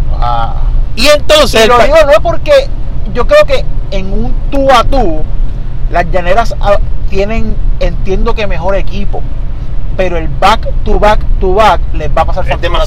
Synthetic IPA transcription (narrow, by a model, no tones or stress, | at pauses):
a̰ient̪o̞nseloðiɣonoepo̞ɾke̞ʝo̞kɾe̞o̞ke̞eŋunt̪uat̪u | lasʝane̞ɾasat̪je̞nẽ̞ŋent̪je̞nd̪o̞ke̞me̞ɦo̞ɾekipo̞̰pe̞ɾoe̞lbakt̪uβakt̪uβak̚le̞sbapasaɾso